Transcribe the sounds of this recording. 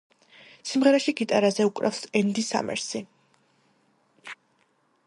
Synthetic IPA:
simʁɛɾaʃiɡit̪ʼaɾazɛukʼɾɛ̰fsɛnd̪isa̰mɛ̰ɾsi

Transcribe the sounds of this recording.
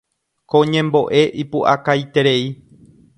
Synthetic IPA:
kõɲẽ̞mbo̞ʔe̞ʔipuʔakajt̪e̞ɾe̞i

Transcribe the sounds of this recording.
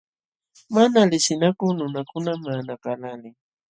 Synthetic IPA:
manalɪsɪnakʊnʊnakʊnamanakalalɪ

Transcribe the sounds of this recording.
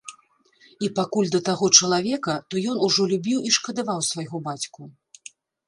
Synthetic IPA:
ipakulʲd̪ɐt̪aɣɔt͡ʂɐlˠavʲɛkɐt̪ɔjɔnuʐɔlʲubʲiwiʂkɐd̪avawsvajɣɔbat͡sʲku

